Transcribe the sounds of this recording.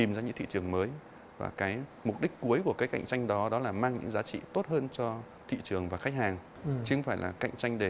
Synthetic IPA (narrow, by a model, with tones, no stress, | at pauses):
i˨˩mzaː˧ɲɨ˧ŋt̪ḭ˧˨t͡ɕɨ˨˩əŋməː˨˦j | va̰ː˨˩kaː˨˦jmʊ˨˩t̚ɗï˦˥k̟̚ku˨˦əjku˧˩əkaː˨˦jka̰˧˨jŋ̟t͡ɕa˧jŋ̟ɗɔ˨˦ɗɔ˨˦laː˨˩maː˧ŋɲɨ̰˧˥ŋzaː˨˦t͡ɕḭ˧˨t̪o˦˥t̚ɦəː˧nt͡ɕɔ˧ | t̪ʰḭ˧˨t͡ɕɨ˨˩əŋvaː˨˩xa˦˥k̚haː˨˩ŋ | t͡ɕɨ˧xfaː˧˩jlʔaː˨˩ka̰˧˨jŋ̟t͡ɕa˧jŋ̟ɗe˧˩